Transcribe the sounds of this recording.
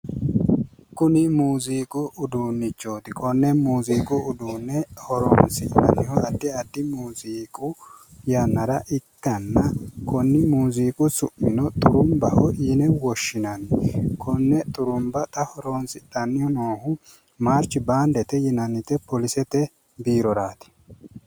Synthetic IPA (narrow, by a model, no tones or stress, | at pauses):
kʊnɪmuːziːkʼʊʊd̪unːɪt͡ʃːo̞ːt̪ɪkʰʼɔnːɛmuːziːkʼʊʊd̪uːnːɛhɔɾo̰ːnsɪt̪ʼːɐ̰nːɪhɔɐd̪ːɪɐd̪ːɪmuːziːkʼʊjɐnːɐɾɐʔɪkːɐnːɐkʰɔnːɪmuːziːkʼʊsʊʔmɪnɔt̪ʼʊɾʊmbɐhɔʔiːnɛwɔʃːɪnɐnːkʰɔnːɛt̪ʼʊɾʊmbɐt̪ʼɐhɔɾoːnsɪt̪ʼːɐnːɪhɔnoːhʊ | maːɾt͡ʃːɪbaːnd̪ɛt̪ɛjɪnɐnːɪt̪ɛpɔlɪsɛt̪ɛ | biːɾɔɾaːt̪ɪ̥